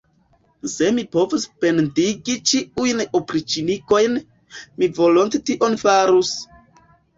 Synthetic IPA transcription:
se̞mipo̞vuspe̞ndiɡit͡ʃiujnopɾit͡ʃiniko̞jn | mivo̞lontetiʔo̞nfaɾus

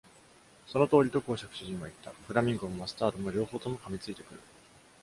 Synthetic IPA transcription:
so̞no̞t̪o̞ːɾʲit̪o̞ko̞ːɕakɯ̟̥ɕɨʑĩmmoit̪ːaɸɯ̟ɾamʲĩŋɡomomasɨ̥t̪aːt̪omo̞ɾʲo̞ːho̞ːt̪omo̞kamʲit͡sɨit̪e̞̥kɯ̟ɾɯ̟

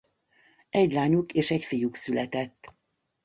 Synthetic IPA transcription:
ɛɟlaːɲukeːʃɛcfijuksylɛt̪ɛt̪ː

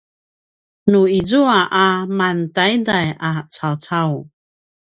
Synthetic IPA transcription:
nuizuaʔamantajdajat͡sawt͡saw

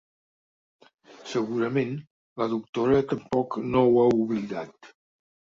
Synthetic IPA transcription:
səɣuɾəmen | ləðuk̚t̪oɾət̪əmpɔknowauβliðat̪

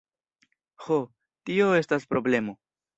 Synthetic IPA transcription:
ho | tio̞e̞staspɾo̞ble̞mo̞

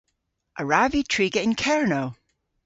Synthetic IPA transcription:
ʔəɹavitʰɹ̥iːɡɛʔɪ̃nkʰɛɹnoʊ

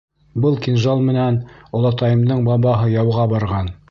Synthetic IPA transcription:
bɤlˠkinʒɑlˠmɘ̆nænŏlˠɑt̪ɑjɤ̆md̪ɤɴbɑβɑɦɤjɑwʁɑbɑɾʁɑn

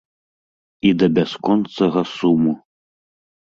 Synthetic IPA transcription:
id̪ɐbʲaskɔnt̪sɐɣɐsumu

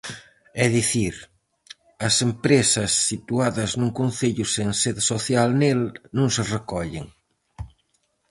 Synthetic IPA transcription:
ɛðiθiɾ | ɐsempɾesɐsːit̪uaðɐznuŋkonθeʎuseŋseðsoθjalnelnũŋserekɔʎḛŋ

